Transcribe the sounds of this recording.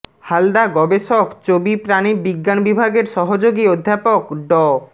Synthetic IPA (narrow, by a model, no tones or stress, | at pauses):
hald̪aɡɔbeʃokt͡ɕobipɾanibiɡːanbibʱaɡeɾʃɔɦod͡ʑoɡiod̪ʱːapokɖɔ